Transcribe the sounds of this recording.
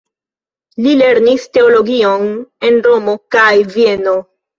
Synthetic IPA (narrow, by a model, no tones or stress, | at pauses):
lile̞ɾniste̞olo̞ɡio̞ne̞nɾo̞mo̞kajvieno̞